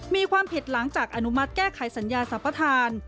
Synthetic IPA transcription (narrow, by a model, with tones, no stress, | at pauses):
miː˧kʰwaː˧mpʰi˨˩t̪̚la˩˦ŋt͡ɕaː˨˩k̚ʔa˧nu˦˥ma˦˥t̪̚kɛː˥˩kʰa˩˦jsa˩˦njaː˧sa˩˦pːa˧t̪ʰaː˧n